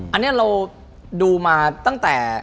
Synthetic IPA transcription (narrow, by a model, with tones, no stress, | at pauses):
ʔa˧nːi˥˩ɐ˨ɾa˧w | duː˧maː˧t̪a˥˩ŋt̪ɛː˨˩